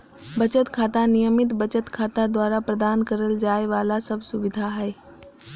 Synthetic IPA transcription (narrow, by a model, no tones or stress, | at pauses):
bɐt͡ʃət̪kʰaːt̪anijəmɪt̪bɐt͡ɕət̪kʰaːt̪ad̪waːɾapɾɐd̪aːnkɐɾəld͡ʒaːeʋaːlasɐbʱsʊʋɪd̪ʱaɦeː